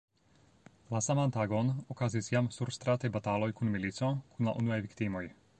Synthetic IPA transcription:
lasamant̪aɡɔnɔkazisjamsuɾst̪ɾat̪ɛbat̪aːlɔjkunmilit͡sɔkʰunla̰ʔunuajvikt̪imɔj

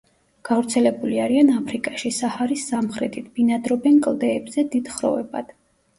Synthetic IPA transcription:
ɡ̥avɾt̪sʰɛlɛbuliaɾianapʰɾikʼaʃisahaɾisːamχɾɛt̪ʰit̪̚ʰb̥inad̪ɾɔbɛnkʼlˠd̪ɛːbzɛd̪id̪̥χɾɔ̰vɛ̰ba̰d̪̥

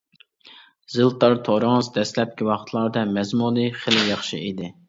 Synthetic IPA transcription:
zɨlˠt̪ʰɑɾt̪ʰoɾɨŋɨzd̪ɛslɛp̚kʲiwɑχt̪ʰlˠɑɾd̪ɑmɛzmulˠɨχəlɪjɑχʃḭid̪ɪ

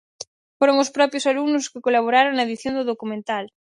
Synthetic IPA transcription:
foɾoŋʊspɾɔpɾjʊsalunʊskɪkolaβoɾaɾoŋnaeðiθjond̪ʊðokumẽnt̪al

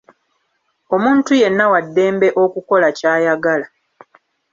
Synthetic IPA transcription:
o̞muːntuje̞nːawadːe̞ːmbe̞ʔo̞kuko̞lacaːjaɡala

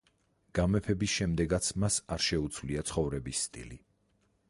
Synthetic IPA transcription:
ɡ̥amɛpʰɛbisʃɛmd̪ɛɡat̪sʰmasaɾʃɛut̪sʰvliat̪sʰχɔvɾɛbisːt̪ʼḭli

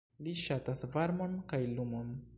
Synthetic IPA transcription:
liʃatasvaɾmo̞nkajlumo̞n

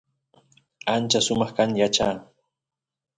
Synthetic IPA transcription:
ant͡ʃasʊmɑχkanjat͡ʃaː

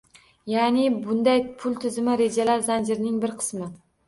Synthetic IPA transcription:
janɪbʊnd̪ajpʰʊlˠt̪ʰɪzɪmɪɾe̞d͡ʒalaɾzand͡ʒɪɾnɪŋbɪɾqʰɨ̥smɪ

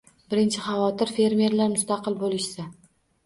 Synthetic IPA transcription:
bɪɾɪnt͡ʃʰɪχɑvɒt̪ʰɪɾfe̞ɾmʲe̞ɾlaɾmʊst̪ɑqɨlˠbolɪʃsa

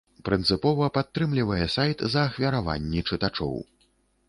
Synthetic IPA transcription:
pɾɨnt̪sɨpɔvɐpat̪ːɾɨmlʲivɐjɛsajt̪zɐːxvʲɐɾava̰nʲːit͡ʂɨt̪at͡ʂɔ̰w

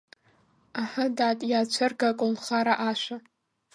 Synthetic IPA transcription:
aħadaːtʼjaːt͡ɕʷʰɨrɡakʼʊnχaɾaʔaʃʷa

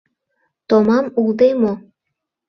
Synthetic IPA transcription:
t̪omɑmulˠd̪emo

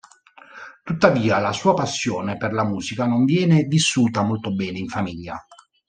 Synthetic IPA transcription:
t̪ut̪ːaviːalasuːapasːjɔːneperlamuːzikanoɱvjɛːnevisːuːt̪amolt̪obɛːneiɱfamiʎːa̰

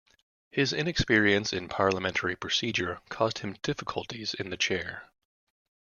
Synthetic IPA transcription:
hɪzɪ̃nɨkspɪɹiɨ̃nsɨ̃npʰɑɹlˠəmɛ̃ntʰə˞ipʰɹ̥ɨsid͡ʒə˞kʰɔzd̥̚hɨ̃md̥ɪfəkʰlˠtizɨ̰̃nðɨt͡ʃʰɛɹ

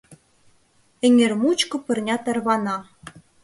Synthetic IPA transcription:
ɘ̆ŋʲɘ̆rmut͡ɕkɤ̆pɤ̆rnʲɑt̪ɑrβɑnɑ

